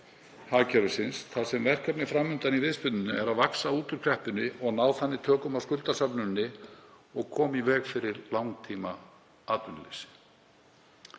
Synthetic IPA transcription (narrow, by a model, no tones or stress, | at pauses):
haːcʰɛɾʏsɪnsθasɛmvɛr̥kapnɪfɾamːʏnt̪anivɪðspʏnʏnːʏɛɾaðvaksauːt̪ʏɾ̥kʰɾɛhpʏnːɪʔɔɣnaːwθanːɪt̪ʰœːkʏmavskʏlt̪asapnʏnːɪ | ɔɣkʰɔːmivɛːkfɪɾɪɾlawŋt̪ʰiːma | aːt̪ʏnlḛsɪ̥